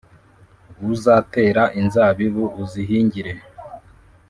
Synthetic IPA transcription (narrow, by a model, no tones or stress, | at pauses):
βuzaːte̞ːɾaʔinzaβiβuʔːziɦiːɲɟiɾe̞